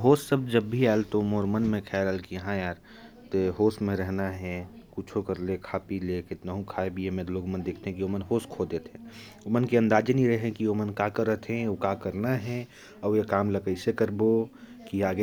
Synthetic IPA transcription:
ɦoːsːəb̚d͡ʒɐbːiɛːlt̪omoːɾmənmẽkʰɛːɾəːlkijɦãjaːɾ | t̪eɦoːsmẽɾɛɦnaɦɛ̃ | kut͡ʃʰokɐɾlekʰaːpilekɪt̪naɦũkʰaːebiemẽloːɡmənd̪eːkʰt̪eɦɛ̃kiomənɦoːskʰoːd̪et̪ẽ | omənkeɐ̃nd̪aːd͡ʒenĩɾɛɦẽkiomənkaːkəɾət̪ɦẽokaːkɐɾnaɦɛ̃ | ɔjekaːmləkəɪsekəɾbokiaːɡe

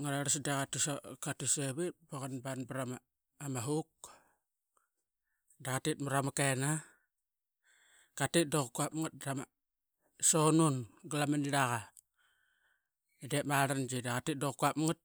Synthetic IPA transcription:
ŋaɾaɾasadaɣatisakatiseβit̚baɣanbanbaɾamaː | maɦuk̚ | daɣatit̚muɾamakana | katit̚dokkuap̚maŋat̚ɾama | sonunɡalamaniɾaɣa | depmaɾand͡ʒidaɣatit̚dokkuapmŋat̚

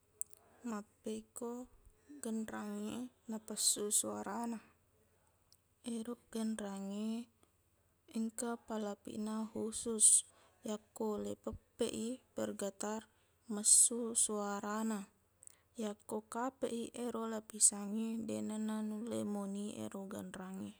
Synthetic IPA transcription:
mapːekoɡənraŋenapəsusuaɾana | ɛɾɔʔɡ̥ənraŋe | əŋkapalapḭʔnahususjakːolɛpəpːɛʔipərɡət̪ar | məsusuaɾana | jakːokapeʔiʔeɾolapisaŋidɛnananulemoniɛ̰ɾoɡənraŋe

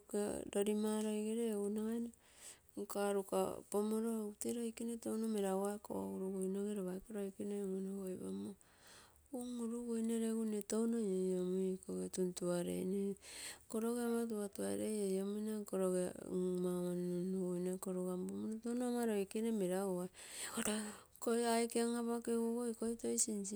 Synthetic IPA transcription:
kɾoɾimaɾojɡeɾeunaŋajna | kaɾuka̰pomoɾouteɾojkenetownomeɾawaeko̰a̰uɾuɡujnoɡeɾoβaekoɾoikenoomunowojβamo | uŋuɾuɡojnaɾeɡunetownojojomuikoɡetuntuaɾḛjnekoɾoɡeamat̬uatua̰ɾejojomujnakoɾoɡemamaninonuɡojnakoɾoɡambomoɾotonomaɾoikinemeɾawakoɾo | koajkeaŋaβakeoɡojkoitojsinsi

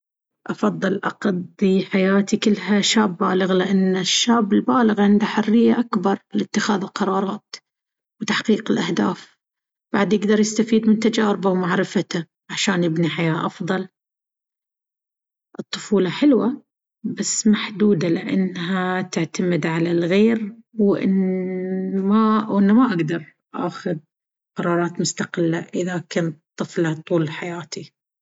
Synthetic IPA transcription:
ʔɑfɑðˤːɨlʔɑqɑd̪ˤiħajaːt̪ikɪlːhaʃaːbːaːlɪɣlɪʔanːaʃːaːbɪlbaːlɪɣʕɪnd̪aħʊrːɪjːaʔakbɑɾˤlɪt̪ːɪxaːðɪlqɑɾˤɑːɾˤɑːt̪ | wt̪aħqiːqɪlʔahd̪aːf | b̥aʕd̪jɪɡd̪ɑɾˤjɪst̪afiːd̪mɪnt̪ad͡ʒaːɾɪbawmaʕɾɪfat̪a | ʕaʃaːnjɪbniħajaːʔɑfðˤɑl | ʔɨt̪ˤːʊ̥fuːlɑħɪlwa | basːmaħd̪uːd̪alɪʔa̰nːɦat̪ɪʕt̪amɪd̪ʕalalɣeːɾwʔɪ̰n | mawʔɪnːamaʔaɡd̪ɑɾˤ | ʔaːxʊð̚ | qɑɾˤɑːɾˤɑːt̪mʊst̪aqɪlːaʔɪðakant̪t̪ˤːɨflat̪ˤːuːlħajaːt̪i

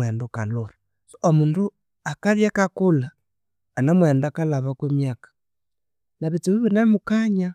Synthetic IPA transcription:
endokalola | somuːndu | akaɾjakakulaː | namwendakalaβakwemjakḁ | naβit͡siβiβinamukaɲa

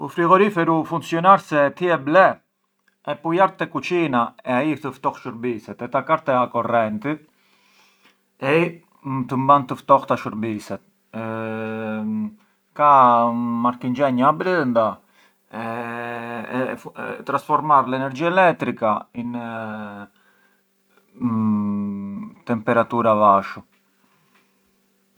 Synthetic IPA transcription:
ufɾiɣɔɾifɛɾufuŋsjɔnaɾsɛt̪iɛblɛ | ɛpujaɾt̪ɛkut͡ʃinaɛait̪əft̪ɔxʃəɾbisɛt̪ɛt̪akaɾt̪ɛakɔrɛnt̪ə | ɛi | t̪əmbant̪əft̪ɔxt̪aʃəɾbisɛt̪̚ | kamaɾkind͡ʒɛɲaabɾənd̪a | ɛ | t̪ɾasfɔɾmaɾlɛnɛɾd͡ʒiaɛlɛt̪ːɾikain | t̪ɛmpɛɾat̪uɾavaʃu

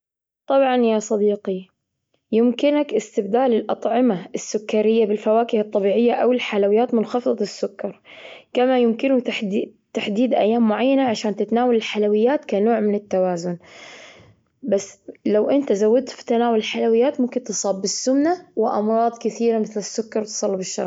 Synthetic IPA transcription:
t̪ˤɑbʕɑnjasˤɑd̪iːqi | jɪmkɪnakʔɪst̪ɪbd̪aːlɪlʔɑt̪ˤʕɪmaɪsːʊkːaɾɪjːabɪlfawaːkɪht̪ˤːɑbiːʕɪjːaʔawɪlħalawɪjːaːt̪mʊnxɑfɨðˤɑɪsːʊkːɑɾˤkamajʊmkɪnut̪ħi | t̪aħd̪iːd̪ʔa̰jːaːmːʊʕajːanaʕaʃaːnt̪ɪt̪anaːwalɪlħalawɪjːaːt̪kanoːʕmɪnɪt̪ːawaːzʊn | basːlawʔɪnt̪azawːad̪̚t̪fi̥t̪anaːwʊlɪlħalawɪjːaːt̪mʊmkɪnt̪ɨsˤɑːbːɪsːʊmnawɪʔɑ̰mɾˤɑːd̪ˤkɪθiːɾamɪθlɪsːʊkːɑɾwt̪sˤɑlːbɪʃːɑ̰ɾ

